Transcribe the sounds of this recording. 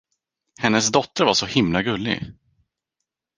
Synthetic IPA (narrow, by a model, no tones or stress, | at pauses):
hɛnːəs̬d̪ɔt̪ːəɾvaʂɔhɪmlaɡɵlːɪ̰ɡ